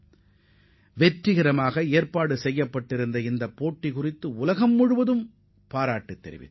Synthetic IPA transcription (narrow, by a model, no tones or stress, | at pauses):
ʋɛʈrɪɣɪɾɐmaːɣɐeːɾpaːɽɯsɛjːɐpːɐʈːɪɾɯnd̪ɐɪnd̪ɐpːoːʈːikʊrɪt̪ːɯʊlɐɣɐmːʊɻɯʋɐðɯm | paːɾaːʈːɯt̪ːɛ̰ɾɪ̰ʋɪ̰t̪ː